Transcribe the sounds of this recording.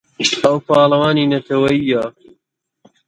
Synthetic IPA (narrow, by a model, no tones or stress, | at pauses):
ɐwpɑːlɐwaːniːnɐt̪ʰɐwɐiːja